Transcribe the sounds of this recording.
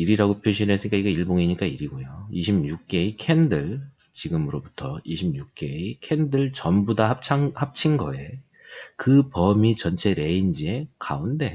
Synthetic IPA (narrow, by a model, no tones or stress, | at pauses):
iɾiɾaɡopʰjoɕʰinesʰɯɲik͈aiɡeiɭboŋiɲik͈aiɾiɡojoiɕʰimɲuk̚k͈e̞ikʰe̞ndɯɭ | t͡ɕiɡɯmɯɾobutʰʌiɕʰimɲuk̚k͈e̞ikʰe̞ndɯɭt͡ɕʌmbudahap̚t͡ɕʰaŋhap̚t͡ɕʰinɡʌe̞ | kɯpʌmit͡ɕʌnt͡ɕʰe̞ɾe̞ind͡ʑie̞kaunde̞